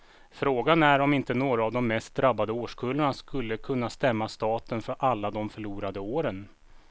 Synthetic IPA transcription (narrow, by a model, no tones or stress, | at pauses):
fɾoːɡanæɾɔmɪnt̪ənoːɾaːvd̪ɔmːɛst̪̚d̪ɾabːad̪əoːʂkʰɵlːaɳaskɵlːəkʰɵnːast̪ɛmːast̪ɑːt̪ənfœɾʔalːad̪ɔmfœɭuːɾad̪əoːɾən